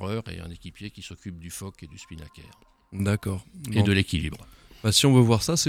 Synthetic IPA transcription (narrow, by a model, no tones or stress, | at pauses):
ʁœʁḛɛ̰̃nekʲipjekʲisɔkʲyp̚d̪yfɔked̪yspinakʲɛ̰ːʁ | d̪akɔːʁẽd̪əlekʲilḭbʁ | basiɔ̃vøvwaʁsasɛ